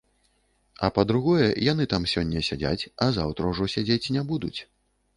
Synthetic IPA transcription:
ɐ̰pɐd̪ɾuɣɔjɛjan̪ɨt̪amsʲɔnʲːɐsʲad͡zʲa̰t͡sʲɐzawt̪ɾɐwʐɔsʲad͡zʲet͡sʲnʲɛbud̪ut͡sʲ

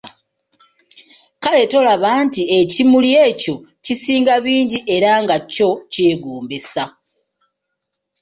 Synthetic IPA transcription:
kale̞to̞laβaːntiecimuljeːco̞cisiːŋɡaβiːɲɟiʔe̞ɾaŋɡaco̞ceːɡuːmbesa

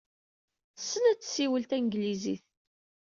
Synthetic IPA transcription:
sːənæt͡sːsiwəlt̪ænɡlizḭθ

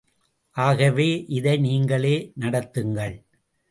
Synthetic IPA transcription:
ʔaːɣɐʋeːʔɪðɐɪniːŋɡɐɭeːnɐɽɐt̪ːɯŋɡɐɭ

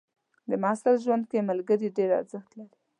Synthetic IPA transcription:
d̪əmɑsalʒwand̪̚kemalɡəɾiɖeɾa̰ɾzəxt̪laɾi

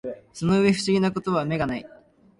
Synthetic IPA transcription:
so̞no̞ɯ̟e̞ɸɯ̟ɕiɡʲinako̞t̪o̞β̞ame̞ɡanai

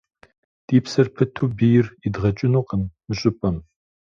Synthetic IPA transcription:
d̥iːpsɐrpʰɐtʰubijɪridʁɐt͡ʃʼɪnuːqəmːɨɕʼɪpʼɐm

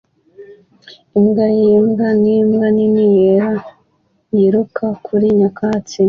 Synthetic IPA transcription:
imɡajimɡanimɡaninijeɾa | jiɾukʰakʰuɾiɲakat͡si

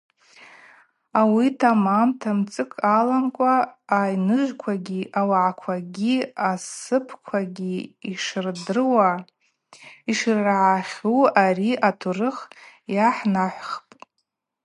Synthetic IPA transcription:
awitʰamamtʰamt͡sʼɨkʼalamkʷʼaːjnɨʒʷᶣkʷʰaɡʲiʔawaʕakʷʰaɡʲiasɨpʰkʷʰaɡʲiːʂrdɨrwa | iʂrːʕaχʲuariʔatʰurɨχjaħnaħʷχpʼ

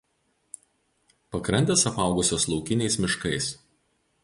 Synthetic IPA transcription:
pɐkɾɐnʲd̪ʲɛsɐpɐˑʊɡʊsʲoːslˠɒʊkʲɪnʲɛɪsmʲɪʃkɐɪs

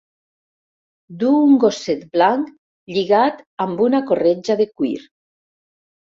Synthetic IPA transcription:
d̪uŋɡoset̪blaŋk | ʎiɣat̪ambunakored͡ʒaðekwḭɾ

